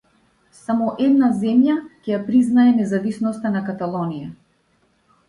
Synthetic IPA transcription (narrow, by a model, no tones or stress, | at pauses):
samɔʔɛd̪nazɛmjacɛjapɾiznaɛnɛzavisnɔst̪anakat̪alˠɔnija